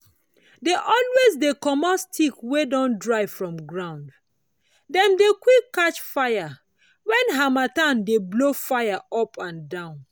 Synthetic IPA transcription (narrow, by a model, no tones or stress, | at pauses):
deʔɔlwezdekɔmɔstʰikwedɔ̃ndɹaɪvfɹɔ̃mɡɹãʊ̃nd | dɛ̃mdekwikkːat͡ʃfaɪja | wɛ̃nɦamatãndeblofaɪjaɔpʰãndãʊ̃n